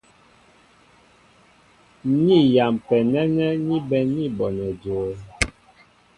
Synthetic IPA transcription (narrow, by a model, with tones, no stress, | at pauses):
ni˦˨ja˨mpɛ˨nɛ˦nɛ˦ni˦bɛ˨ni˦bɔ˨nɛ˨d͡ʒo˨˦